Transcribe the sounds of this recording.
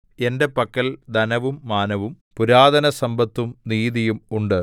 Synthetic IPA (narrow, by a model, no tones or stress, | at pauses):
e̞nde̞pɐkːɐld̪ʱɐnɐʋumːaːnɐʋum | puɾaːd̪ɐnɐsɐmbɐt̪ːumniːðijumuɳɖɨ